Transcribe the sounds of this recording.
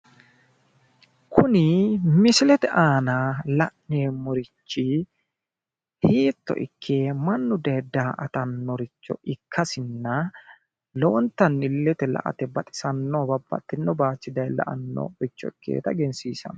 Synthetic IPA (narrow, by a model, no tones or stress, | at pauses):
kʰʊnɪmɪsɪlɛt̪ɛʔaːnalɐʔneːmɔɾɪt͡ʃːɪ | hiːt̪ːɔ̰ʔɪ̰kʰːe̞ːmɐnːʊd̪eːd̪aːʔɐt̪ɐnːɔɾɪt͡ʃːɔ̰ʔɪkʰːɐsɪnːɐ | loːnt̪ːɐnːɪlːɛt̪ɛlɐ̰ʔɐ̰t̪ɛbɐt̪ʼɪ̥sɐnːɔbɐbːɐ̰t̪ːɪnːɔbaːt͡ʃːɪd̪ɐjlɐ̰ʔɐnːɔ̰ɾɪt͡ʃːɔɪkːḛːt̪ɐɡɛnsiːsɐ̰n